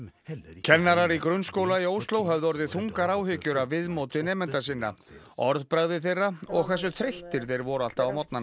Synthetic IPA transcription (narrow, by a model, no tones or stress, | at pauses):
cʰɛnːaɾaɾikɾʏnskowlaioːwst̪lowɦɛvðʏɔɾðɪθuŋkaɾaːwhʏcːʏɾavvɪðmoːwt̪ɪnɛːmɛnt̪asɪnːa̰ | ɔɾðpɾaɣðɪθejrːaɔɣkʰv̥ɛs̬ːʏθɾeht̪ɪɾ̥θejɾvɔɾʏal̥t̪aawmɔt̪̚nan